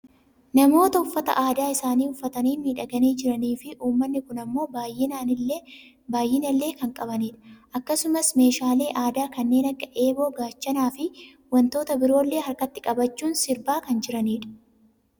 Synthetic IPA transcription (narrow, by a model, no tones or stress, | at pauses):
nɐmo̞ːt̪ɐʊfːɐt̪ɐ̰ʔaːd̪aːɪsaːniːʊfːɐt̪ɐniːmiːᶑɐɡɐniːd͡ʒɪɾɐniːfɪʔuːmːɐnːɪkʊnɐmːo̞ːbaːjːɪnaːnɪlːe | baːjːɪnɐlːe̞ːkɐŋkʼɐbɐniːᶑɐ̥ʔɐkːɐsʊmɐsme̞ːʃaːle̞ːʔaːd̪aːkɐnːe̞ːnɐkːɐʔe̞ːbo̞ːɡaːt͡ʃːɐnaːfɪ | wɐnt̪o̞ːt̪ɐbɪɾo̞ːlːe̞ːɦɐɾkɐt̪ːɪkʼɐbɐt͡ʃːuːnsɪɾbaːkɐnd͡ʒɪɾɐniːᶑɐ̥